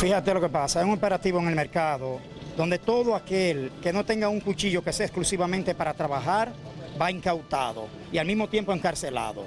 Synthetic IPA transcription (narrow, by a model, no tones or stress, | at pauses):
fihat̪e̞lo̞ke̞pasaesuŋope̞ɾat̪iβoeŋe̞lme̞ɾkaðo | ðo̞nd̪e̞t̪o̞ðoake̞lke̞no̞t̪e̞ŋɡauŋkut͡ʃiʝo̞ke̞seaesklusiβamẽnt̪e̞paɾat̪ɾaβaxaɾbaiŋkawt̪a̰ðo̞̰ | ialmizmo̞t̪je̞mpo̞eŋkaɾse̞la̰ðo̞̰